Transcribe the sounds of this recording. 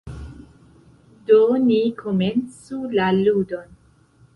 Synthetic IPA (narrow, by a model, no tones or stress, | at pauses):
donikʰome̞nt͡sulaludo̞n